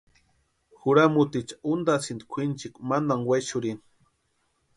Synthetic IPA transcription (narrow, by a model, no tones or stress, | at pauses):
xuɾamut̪it͡ʃḁund̪asind̪kʷʰint͡ʃikmand̪aŋwat͡ʃʊɾin